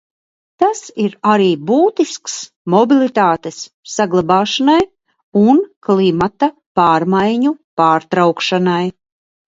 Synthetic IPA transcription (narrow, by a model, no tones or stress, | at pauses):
t̪asiɾaɾiːbuːt̪isks | mɔbilˠit̪aːt̪esː | aɡlˠabaːʃanaj | unklˠimat̪a | paːɾmajɲupaːɾt̪ɾawkʃanaj